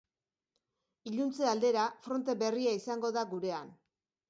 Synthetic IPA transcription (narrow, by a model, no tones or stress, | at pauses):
iʎunt͡se̞ald̪e̞ɾafɾo̞nt̪e̞be̞riaisaŋɡo̞ðaɡuɾe̞an